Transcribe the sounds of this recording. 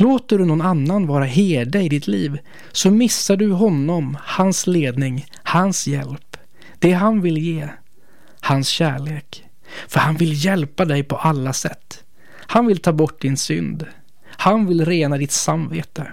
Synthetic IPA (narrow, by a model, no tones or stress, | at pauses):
loːt̪əɖɵnɔnanːanvɑːɾaɦeːɖaɪd̪ɪt̪ʰliːv | sɔmɪsːaɖɵɦɔnːɔmhansleːd̪nɪŋ | hansjɛ̰lp | d̪̥ɛɦanvɪljeː | hansɕæːɭeːk | fœɾhanvɪljɛlpad̪ɛjpʰɔʔalːasɛt̪ː | hanvɪlt̪ʰɑːbɔʈ̚ːd̪ɪnsʏ̰nd̪ | hanvɪlɾeːnad̪ɪt̪samveːt̪ə